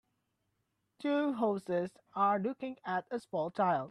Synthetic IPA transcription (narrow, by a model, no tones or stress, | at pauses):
tʰuɦoʊsɪz | aɹlʊkɪ̃ŋætəsmɔlˠt͡ʃʰaɪlˠd̥